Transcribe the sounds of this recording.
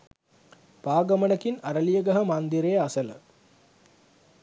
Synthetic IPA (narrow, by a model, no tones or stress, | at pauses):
paːɡɐmɐnɐkinɐɾɐlijɐɡɐɦɐmaːnd̪iɾejɐɐsɐlə̰